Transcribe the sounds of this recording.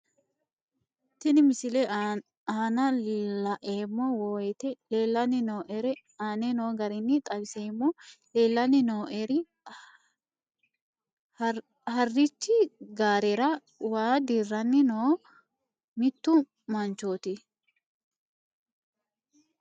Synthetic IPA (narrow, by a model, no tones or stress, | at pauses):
t̪ɪnɪmɪsɪlɛ | aːnɐlɐʔeːmːɔwoːɛt̪ɛleːlːɐnːɪnoːʔɛɾɛ | aːnɛnoːɡɐɾɪnːɪt̪ʼɐbɪseːmːɔleːlːɐnɪnoːʔɛɾɪ | hɐrːɪt͡ʃːɪɡaːɾɛɾɐ | waːd̪irːɐnːɪnoː | mɪt̪ːʊ | mɐnt͡ʃoːt̪ɪ